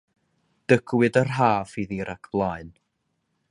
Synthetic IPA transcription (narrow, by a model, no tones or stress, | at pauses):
d̥əɡwɨdərɦaːfiðiɾʔakʰb̥lˠaɨn